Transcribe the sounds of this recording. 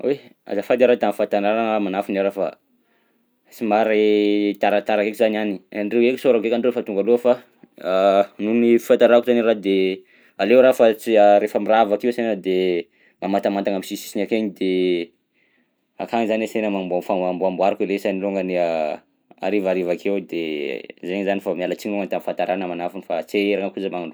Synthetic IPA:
ea̰zafad̪eɾat̪amfant̪anaɾaŋamanafinaɾafa̰ | simaɾet̪aɾat̪aɾakekizananiɳɖ͡ʐeweki̥soɾakekaɳɖ͡ʐefat̪uŋɡalofa | nunififant̪aɾakuzanirad̪e | alewɾafat͡siaɾefəmiravakiwsenəd̪e | mamat̪amant̪aŋamisisi̥sinakeɲid̪e | a̰kaŋizanesenəmambuafamambuambuaɾakelesaniluŋɡənia | a̰ɾivaɾivakʰewd̪ḛzeɲzanifamialat͡siɲuŋənt̪amifant̪aɾʔanamanafunifat͡seeɾaŋəkuzəmaŋaɳɖ͡ʐ

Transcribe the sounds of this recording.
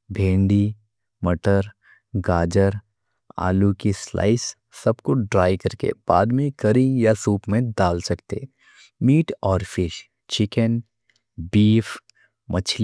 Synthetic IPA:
bʱẽːɳɖi | mɐʈəɾ | ɡaːd͡ʒəɾ | a̰ːlukisla̰ːɪsː | ɐbkoɖɾaːjkɐɾkḛb̥aːd̪mẽkɐɾĩjasuːpmẽd̪aːlsɐkt̪e | miːʈɔːɾfɪʃ | t͡ʃɪkən | biːf | mɐt͡ʃʰl

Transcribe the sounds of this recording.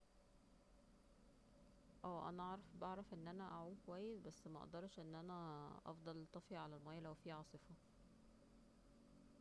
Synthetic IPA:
ʔæːʔæ̰næʔɑʕɾˤɑfbɑʕɾˤɑfʔenːʔænæʔaʕuːd̪kowæjːesbæsːmæʔɑ̰ʔd̪ɑɾˤʃʔenːʔænæʔɑ̰fd̪ˤɑlːt̪ˤːɑfiʕalælmæːjːlæwfiːʕɑːsˤɨfɑ

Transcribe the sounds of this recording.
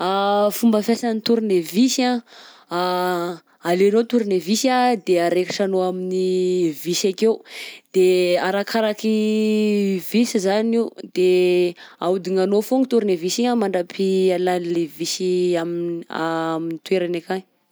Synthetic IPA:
afumbəfjasanit̪uɾinevisa | alenot̪uɾinevisad̪eaɾekiʈ͡ʂanoaminivisakeud̪̥eaɾakʰaɾaki | visizaniwd̪e | aud̪iŋanofoŋit̪uɾinevisiɲamaɳɖ͡ʐapʰialanlevisiamia̰minit̪ueɾanakan

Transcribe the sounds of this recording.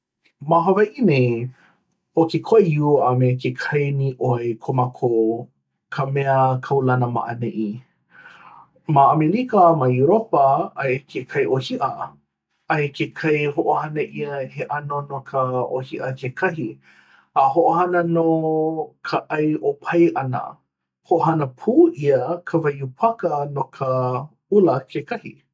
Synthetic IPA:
maɦɐvɐʔine | hokekʰoʔejuamekekʰɐjniʔoekʰomakʰo | kʰəmɛəkʰɐwlɐnəma̰ʔɐ̰neʔi | maʔɐmelikɐmajuɾopɐɐjkʰekʰɐjʔohiʔɐ | ɐjkʰekʰɐjhoʔohɐnəʔiəheʔɐnonokʰəʔohiʔɐkʰekʰɐɦi | aɦoʔohɐnənokʰəʔɐjʔopʰɐjʔɐnə̰ | hoʔoɦɐnəpʰuːʔiəkʰəvɐjupʰɐkənokʰə | ulɐkʰekʰɐhḭ

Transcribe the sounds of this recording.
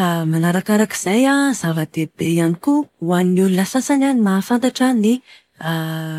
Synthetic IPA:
manaɾakaɾaki̥z̥ajazavəd̪̥eb̥ejanikuwaninulunasasananimafant̪aʈ͡ʂani | a

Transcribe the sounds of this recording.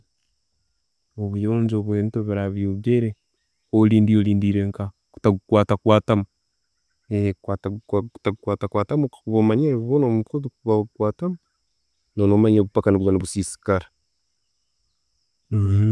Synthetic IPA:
oβujoːɲd͡ʒoβweːntoβiɾaβioβjeɾe | oliːndioliːndiɾeŋka | ku̥taɡukwaːtakwaːtamu | ekwatku̥taɡukwaːtakwaːtamuβomaɲeββonomukotukuβaukwaːtamu | nonomaɲeβupakaniβuwaniβusiːsi̥kaɾḁ

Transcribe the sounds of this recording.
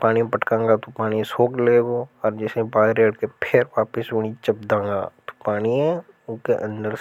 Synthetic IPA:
paːñimẽpɐʈkãːŋɡat̪opaːnĩsoːkleːɡoɔːɾd͡ʒɛsẽbaːɾeːɽkepʰeɾʋaːpɪsʊɽ̃it͡ʃɐp̚d̪ãːŋɡa̰ːt̪o̥paːniɛ̃ | ʊnkeʔɐ̃nd̪əɾ

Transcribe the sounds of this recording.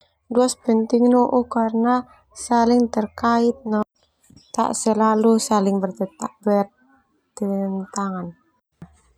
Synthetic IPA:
duaspənt̪ɪŋnoʔukarna | salɪŋt̪ərkaɪt̪̚nan | t̪a̰ʔsəlalusalɪŋbərt̪ət̪abə | ənt̪aŋan

